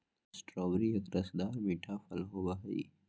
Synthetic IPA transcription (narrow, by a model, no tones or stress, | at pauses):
sʈɾɔːbɾijɐkɾɐsd̪aːɾmiʈʰafɐlɦobaɦɐḭ